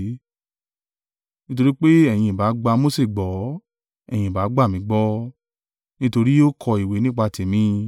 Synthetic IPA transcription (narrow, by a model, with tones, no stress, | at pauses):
nĩ˦t̬o˧ɾi˦k͡pe˦ɛ˦˨j̃ĩ˧˨ba˨˦ɡ͡ba˧mo˦se˦˨ɡ͡bɔ˨˦ | ɛ̰˦˨j̃ĩ˨ba˨˦ɡ͡ba˦˨mĩ˨˦ɡ͡bɔ˦ | nĩ˦to˧ɾi˦o˦kʰɔ˧i˨we˨˦nĩ˦k͡pa˧˨te˨mĩ˨˦